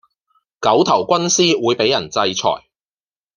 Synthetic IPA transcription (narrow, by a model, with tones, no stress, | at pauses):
kɐ˨˥wt̪ʰɐ˨˩wkʷɐ˥nsiː˥wuː˨˧jpe˨˥jːɐ˨˩nt͡sɐ˧jt͡sʰɔ̰ː˨˩j